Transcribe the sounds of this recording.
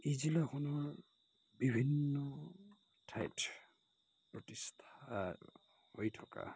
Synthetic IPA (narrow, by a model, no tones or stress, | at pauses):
izilakʰɔnɔɹ | bibʱinːɔ | tʰajt | pɹɔtistʰaa | hojtʰɔka̰